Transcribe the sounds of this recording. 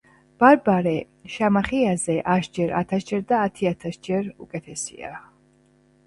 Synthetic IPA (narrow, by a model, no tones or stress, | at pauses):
b̥aɾbaɾɛ | ʃamaχiazɛʔaʃd͡ʒɛɾat̪ʰasd͡ʒɛɾd̪aːt̪ʰiat̪ʰasd͡ʒɛɾṵkʼɛt̪ʰɛsḭa̰